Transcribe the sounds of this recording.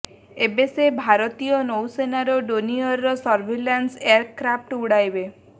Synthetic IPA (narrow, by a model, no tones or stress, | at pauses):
ebesebʱaɾɔt̪ijɔnowsenaɾɔɖoniɔɾːɔsɔɾbʱelanseaɾkɾap̚ʈuɽajbe